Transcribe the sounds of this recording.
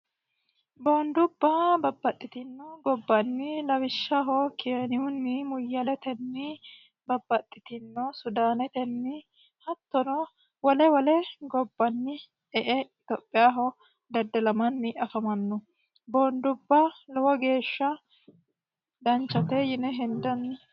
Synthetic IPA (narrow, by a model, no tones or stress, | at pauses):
boːnd̪ʊbːɐbɐbːɐt̪ʼːɪt̪ɪnːɔɡɔbːɐnːɪlɐwɪʃːɐɦɔkɪɛnɪʊnːɪmʊjːɐlɛt̪ɛnːɪ | bɐbːɐt̪ʼːɪt̪ɪnːɔsʊd̪aːnɛt̪ɛnːɪ | hɐt̪ːɔnɔ | wɔlɛwɔlɛɡɔbːɐnːɪ | ɛʔɛɪt̪oːpʼːɪjaːɦɔ | d̪ɐd̪ɐlɐmɐnːɪʔɐfɐmɐnːɔ | boːnd̪ʊbːɐlɔwɔɡe̞ːʃːɐ | d̪ɐnt͡ʃːɐt̪ɛjɪnɛɦɛnd̪ɐnːɪ